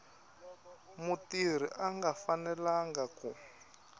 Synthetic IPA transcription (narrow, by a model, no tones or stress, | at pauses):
mutir̤iʔaŋɡafanɛlaŋɡaku